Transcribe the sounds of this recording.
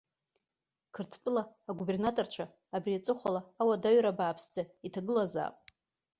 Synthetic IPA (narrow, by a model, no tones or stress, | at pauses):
kʰɨrtʰt͡pʼɨlaːɡube̞rnatʼort͡ʃʷʰaː | briat͡sʼɨχʷalaːwadaɥɾabaːpʰsd͡zaitʰaɡɨlaza̰ːpʼ